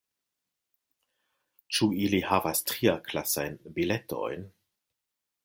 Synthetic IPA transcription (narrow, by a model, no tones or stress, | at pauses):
t͡ʃuilihavastɾiaklasajnbiletʰo̰jn